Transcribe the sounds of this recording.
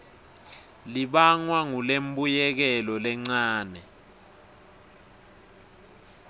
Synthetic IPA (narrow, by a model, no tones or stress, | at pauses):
liɓaŋwaŋulembujɛk̬ɛlɔlɛŋ͡ǀaːnɛ